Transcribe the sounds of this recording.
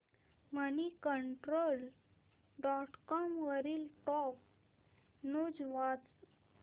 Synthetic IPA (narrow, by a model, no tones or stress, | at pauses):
mənikəɳʈɾol | ɖɔʈkɔmʋəɾiːlʈɔk | nud͡zʋat͡s